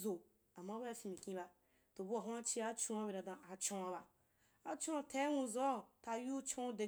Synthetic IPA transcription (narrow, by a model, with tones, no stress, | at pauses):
zo˨ | a˨mːa˦ba˦a˦fĩ˧mĩ˨kʲĩ˦ba˧ | to˨bu˦a˨ɦũ˦a˦t͡ʃi˦a˦t͡ʃũ˦a˦be˨ɾã˨dã˨a˨t͡ʃõ˦a˧ba˨ | a˨t͡ʃõ˦a˨˧tʰa˨˦nũ˧zo˦˨ta˧ju˦t͡ʃõ˦da˨